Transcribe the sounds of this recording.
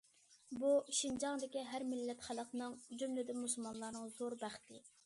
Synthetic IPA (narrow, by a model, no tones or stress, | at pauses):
buʃind͡ʒɑŋd̪ɪkʲiɦæɾmɪlːɛt̪χælˠəqnɨŋd͡ʒymlɪd̪ɪnmusulˠmɑnlˠɑɾnɨŋzoɾbæχt̪ʰɪ